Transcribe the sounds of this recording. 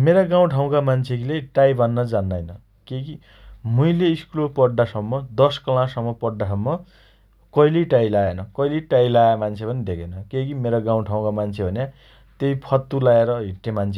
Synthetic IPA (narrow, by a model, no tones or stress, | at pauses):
meɾaɡaw̃ʈʰaw̃kamant͡sʰekileʈajbʱʌnːʌd͡zanːajnʌ | keki | muileiskulopʌɖːasʌmːʌd̪ʌskʌlãsʌmːʌpʌɖːas̬ʌmːʌ | kʌilejʈajlaenʌkʌileʈajlaemant͡sʰepʌnid̪ekʰenʌkekimeɾaɡãw̃ʈʰaw̃kamant͡sʰebʱʌnja | t̪ejpʰʌt̪ːulaeɾʌɦiʈːemant͡sʰe